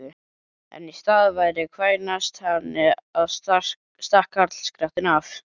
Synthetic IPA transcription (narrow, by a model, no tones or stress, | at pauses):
ɪ | ɛ̰nist̪aːðvajɾɪkʰvaːjnast̪hanːɪaðst̪ar̥ | st̪ar̥kaɾt̪l̥skɾaht̪ɪnaf